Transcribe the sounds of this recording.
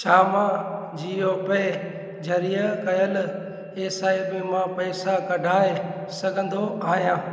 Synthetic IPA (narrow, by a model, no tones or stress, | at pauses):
t͡ʃʰaːmãː | d͡ʑiːoːpe | d͡ʒʱɐɾijəkɐjəl | eːsaːimẽmãːpɐɪsakɐɖʱaːe | sɐɡʱə̃nd̪ʱoaːɦijãː